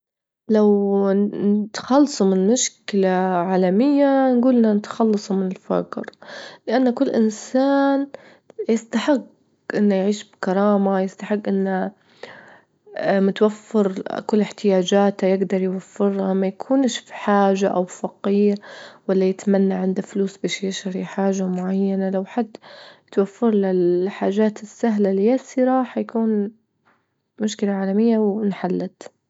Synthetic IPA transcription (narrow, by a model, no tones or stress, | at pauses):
lawnɪt̪ḁxɑlːsˤumɪnmʊʃkɪlaʕaːlamɪjːanɡuːlʔɪnanɪt̪xɑlːɑsˤumɪnɪlfa̰qɾlɪʔanːakʊlːʔɪ̰nsaːn | jɪst̪aħɪɡː | ʔɪnːajʕiːʃbkɑɾˤɑːmajɪst̪aħɪɡːʔɪnːa | mʊt̪wafːɪɾkʊlːɪħt̪ɪjaːd͡ʒaːt̪ajɪɡd̪ɑɾˤjwafːɪɾhamajakʰuːnʃfi̥ħaːʒaʔawfɑqiːɾwalːajɪt̪manːaʕɪnd̪afluːsbeːʃjɪʃaɾiħaːʒamʊʕajːanalawħad̪ːt̪wafːɪɾˤlɪlħaːʒaːt̪ɪsːaɦlalijasɪɾaħajakuːn | mʊʃkɪlaʕaːlamɪjːawnħalːat̪